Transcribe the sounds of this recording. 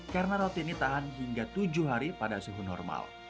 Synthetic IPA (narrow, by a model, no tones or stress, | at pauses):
kaɾənaɾot̪init̪aɦanɦiŋɡat̪ud͡ʒuɦaɾipadasuɦunɔ̰rma̰l